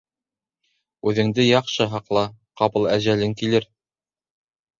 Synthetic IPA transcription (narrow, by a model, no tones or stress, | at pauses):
ʉðɘ̆ŋd̪ɘjɑqʃɤɦɑqlˠɑqɑpɤ̆lˠæʑælɘŋkilɘɾ